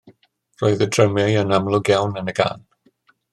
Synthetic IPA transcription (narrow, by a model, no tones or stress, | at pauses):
rɔɨðədrəmɪənamlˠʊɡjawnənəɡa̰ːn